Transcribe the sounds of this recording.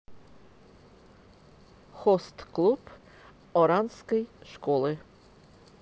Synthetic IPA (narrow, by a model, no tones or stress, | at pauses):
xɔst̪klˠup | ɔɾanskɛjʂkɔlˠɨ